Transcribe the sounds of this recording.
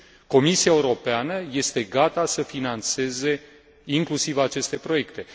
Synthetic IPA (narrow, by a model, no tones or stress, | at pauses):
ko̞misiaeuɾo̞peanəje̞st̪e̞ɡat̪asəfinant̪se̞ze̞ | iŋklusivat͡ʃe̞st̪e̞pɾo̞je̞kt̪e̞